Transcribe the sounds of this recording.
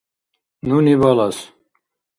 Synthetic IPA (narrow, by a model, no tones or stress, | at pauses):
nunibalas